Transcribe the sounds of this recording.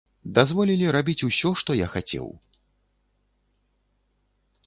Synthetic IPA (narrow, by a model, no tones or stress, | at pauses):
d̪azvɔlʲilʲiɾabʲit͡sʲusʲɔʂt̪ɔja̰xat͡sʲɛ̰w